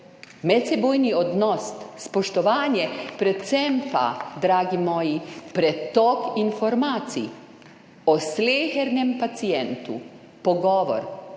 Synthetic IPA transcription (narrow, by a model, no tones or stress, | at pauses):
mɛt̪sɛboːjniɔd̪nɔsspɔʃt̪ɔʋaːnjɛpɾɛt̪sɛmpa̰d̪ɾaːɡimɔːjipɾɛt̪ɔkinfɔɾmaːt̪sḭ | ɔsleːxɛɾnɛmpat̪sijɛnt̪ṵ | pɔɡɔːʋɔ̰ɾ